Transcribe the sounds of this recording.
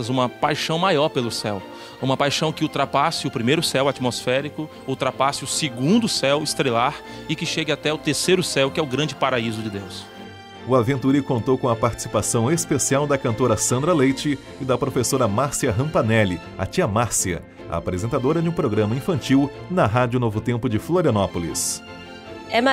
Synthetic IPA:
ɐzũmɐpajʃɐ̃w̃majɔɾpelʊsɛw | ũmɐpajʃɐ̃w̃kɪut̪ɾapasɪʊpɾimejɾʊsɛwat͡ʃimosfɛɾikʊ | ut̪ɾapasɪʊsɪɡũnd̪ʊsɛwɪst̪ɾelaɾ | ɪkɪʃeɡɪat̪ɛʊt̪eɾsejɾʊsɛwkɪɛʊɡɾɐ̃d͡ʒɪpaɾaizʊd͡ʒɪd̪ews | ʊavẽnt̪uɾikõnt̪owkõɐpaɾt͡ʃi̥si̥pasɐ̃w̃espesiawd̪ɐkɐ̃nt̪oɾɐsɐ̃nd̪ɾɐlejt͡ʃɪː | d̪ɐpɾofesoɾɐmaɾsiɐɦɐ̃pɐnɛlɪ | a̰t͡ʃiɐmaɾsiɐ̰ | ɐ̰a̰pɾezẽnt̪ad̪oɾɐd͡ʒɪũpɾoɡɾɐ̃mɐĩfɐ̃nt͡ʃiw | nɐɦad͡ʒjʊnovʊt̪ẽmpʊd͡ʒɪfloɾiɐnɔpolḭs | ɛm

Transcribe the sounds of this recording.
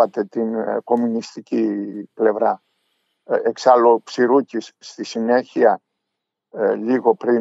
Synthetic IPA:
ɐt̪e̞t̪inko̞munist̪iciple̞vɾɐ | eksɐlo̞psiɾucisːt̪isine̞çiɐ | ʎiɣo̞pɾi

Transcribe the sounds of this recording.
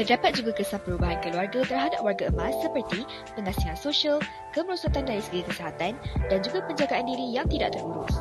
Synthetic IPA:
t̪ərdapat̪̚d͡ʒuɡakəsaŋpəɾubaɦankəluarɡat̪ərɦadap̚warɡaəmasːəpərt̪i | pəŋãsiŋansoʃial | kəməɾɔsɔt̪andaɾisəɡikəseɦat̪andand͡ʒuɡapəɲd͡ʒaɡaʔandiɾijaŋt̪ida̰ʔ̚t̪əruɾʊs

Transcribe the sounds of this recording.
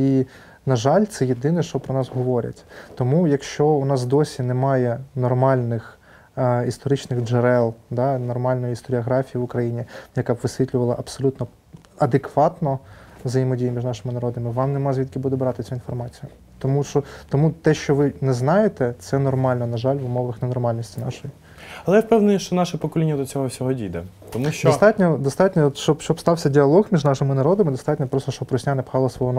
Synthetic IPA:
i | nɐʒɑlʲt̪sɛjed̪ɪnɛʃt͡ʃɔpɾɔnɑsɦɔʋɔɾʲɐ̰tʲt̪ɔmujɐkʃt͡ʃɔʊnɑsd̪ɔsʲinɛmɑjɛnɔrmɑlʲnɪx | ist̪ɔɾɪt͡ʃnɪxd͡ʒɛɾɛlˠd̪ɑnɔrmɑlʲnɔjʊist̪ɔɾʲiɐɦɾɑfʲijiʋʊkɾɐjinʲijɐkabʋɪsʲʋʲit̪lʲʊʋɐlˠɐʔɐpsɔlʲut̪nɔ | ɐd̪ekʋɑt̪nɔzɐjimɔdʲijmʲiʒnɑʃɪmɪnɐɾɔd̪ɪmɪʋɑmnemɑzʲʋʲid̪̚kʲibud̪ɛbɾɑt̪ɪt͡sʲʊinfɔrmɑt͡sʲijʊ | t̪ɔmuʃt͡ʃɔt̪ɔmut̪ɛʃt͡ʃɔʋɪnɛznɑjet̪ɛt̪sɛnɔrmɑlʲnɔnɐʒɑlʲʋʊmɔʋɐxnenɔrmɑlʲnʲisʲtʲinɑ̰ʃɔji | ɐlˠɛjɛfpɛwnɛʃt͡ʃɔnɑʃɛpɔkɔlʲinʲːɐd̪ɔt͡sʲɔɦɔfsʲɔɦɔdʲid̪ɛ | t̪ɔmuʃt͡ʃd̪ɔt̪ɑt̪ʲnʲɔd̪ɔst̪ɑtʲnʲɔʃt͡ʃɔbʃt͡ʃɔbst̪ɑwsʲɐdʲiɐlˠɔɣmʲiʒnɑʃɪmɪnɐɾɔd̪ɐmɪd̪ɔst̪ɑtʲnʲɔpɾɔst̪ɔʃt͡ʃɔb̚pːɾɔsʲnʲanɛpxɑlˠɐsʋɔɦɔn

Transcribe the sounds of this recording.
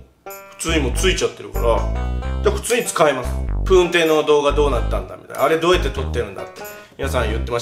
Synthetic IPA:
ɸɯ̟̥t͡sɨːɲ̟imoːt͡sɨit͡ɕat̪ːe̞ɾɯ̟ka̰ɾad̪̥eɸɯ̟̥t͡sɨːɲ̟it͡sɨ̥kaimasɨ̥pɯ̟̃ːnt̪e̞ːno̞d̪o̞ːɡad̪o̞ːnat̪ːãnd̪a̰mʲi̥̰t̪a̰j̰ʔaɾe̞d̪o̞ːjat̪ːe̞t̪o̞t̪ːe̞ɾɯ̟nd̪a̰t̪ːe | mʲinasãɰ̃jɯ̟t̪ːe̞ma

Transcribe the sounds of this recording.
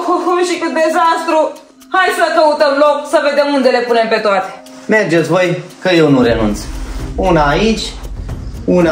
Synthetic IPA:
kukumʃikɨd̪e̞zast̪ɾu | hajsəkəut̪əmlo̞ksəve̞d̪emund̪e̞le̞pune̞mpe̞t̪oat̪e̥ | me̞rd͡ʒet̪sʲvojkəjewnuɾenṵnt̪sunaːit͡ʃʲ | un

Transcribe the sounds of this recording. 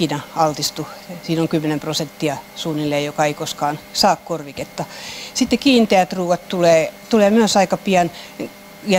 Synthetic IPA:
inɑɑlt̪ist̪usiːnoŋkymːenemprosent̪ːiɑsuːnːilːeːjjokɑeikoskɑːnsɑːkkorʋiket̪ːɑsit̪ːekiːnt̪eæt̪ruːʋɑtt̪uleːt̪uleːmyøsɑikɑpiɑn | jɑ

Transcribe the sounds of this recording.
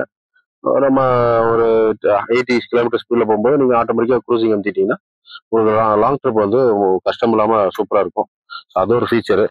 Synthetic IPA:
so̰ːnɐmːaɔɾɯeːʈːiskɪloːmɪʈ̬ːɐɾspiːɖlɐp̬oːɣɯmboːðɯniːŋɡɐaːʈːoːmɐt̪ɪkːɐkɾuːsɪŋɡɐnɪʈːiːŋɡɐnːaː | ʊnɐkːɯalaːŋɡʈɾɐpːʋɐnd̪ɯkɐʂʈɐmɪlːaːmɐsuːpɐɾaːɪɾɯkːʊ̃ | soːɐðoɔɾɯfiːt͡ʃːɐɾɯ

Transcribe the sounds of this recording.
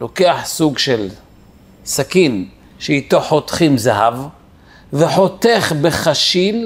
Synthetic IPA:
lo̞keaħsuɡʃel | sakin | ʃeit̪oħot̪χimzaɦav | veħo̞t̪eχbeχaʃil

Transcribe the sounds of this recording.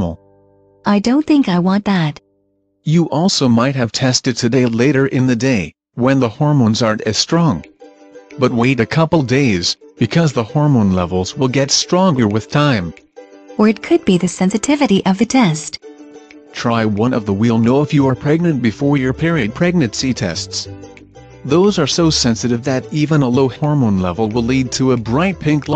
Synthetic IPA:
ml̩ˠ | ʔaɪdõʊ̃nθɪ̃ŋkaɪwɑ̃nðæt | jəʔɔlˠsoʊmaɪt̚ɦɨv̥tʰɛstɨd̚tʰɨdeɪleɪɾə˞ʔɪ̃nðɨdeɪ | wə̃nðəhɔɹmõnzaɹɾɨz̥stɹ̥ɔ̃ŋ | b̥ʌt̚weɪɾɨkʰʌpl̩ˠdeɪzb̥ɨkʰʌzðəhɔɹmõnlɛ̰vl̩ˠzwɪlˠɡɛtstɹ̥ɔ̃ŋɡə˞wɨð̥tʰãɪ̃m | ə˞ɨt̚kʰɨd̚biðɨsɛ̃nsɨtʰɪvɨɾiʔʌvðɨtʰɛst | tʰɹ̥aɪwʌ̃nʌvðəwilˠnoʊɨfjɨəə˞pʰɹ̥ɛɡ̚nɨ̃nb̥ɨfɔɹjə˞pʰɪɹiɨd̚pʰɹ̥ɛɡ̚nɨ̃nsitʰɛ̰sts | ðoʊzə˞soʊsɛ̃nsɨɾɨvðɨɾivə̃nəloʊhɔɹmõʊ̃nlɛ̰vl̩ˠwɪlid̚tʰəəbɹaɪt̚pʰɪ̃ŋkl

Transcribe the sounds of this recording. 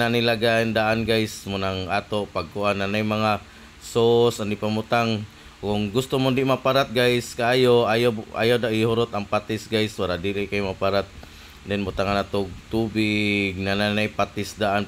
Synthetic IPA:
anilaɡaʔnd̪aʔanɡajsmʊnaŋat̪opaɡ̚kʊʔanːanajmaŋa | sosandɪʔpamʊt̪aŋ | kʊŋɡʊst̪omʊndɪʔmapaɾat̪̚ɡajskaaːjoajoa̰jawdaʔɪhʊɾot̪aŋpat̪ɪsɡajswaɾaʔdiɾɪʔkajmapaɾat̪̚ | dɛnmʊt̪aŋanat̪oɡ̚t̪ubɪɡ̚nananajpat̪ɪsd̪aʔan

